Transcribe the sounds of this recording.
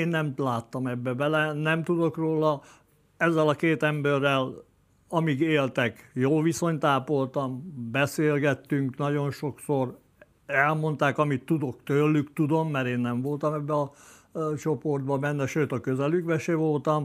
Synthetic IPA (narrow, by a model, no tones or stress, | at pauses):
eːnːɛmlaːt̪ːɒmɛbːɛbɛlɛnɛmt̪ud̪o̞kroːlɒ | ɛzːɛlɒkeːt̪ɛmbørːɛl | ɒmiɡeːlt̪ɛkjoːʋiso̞ɲt̪aːpo̞lt̪ɒmbɛseːlɡɛt̪ːyŋknɒɟo̞nʃo̞ksor | ɛlmo̞nt̪aːkɒmit̪ːud̪o̞kt̪øːlːykt̪ud̪o̞mːɛɾeːnːɛɱvo̞lt̪ɒmɛbːɛɒ | t͡ʃo̞po̞rd̪̚bɒbɛnːɛʃøːt̪ɒkøzɛlyɡbɛʃeːʋo̞lt̪ɒm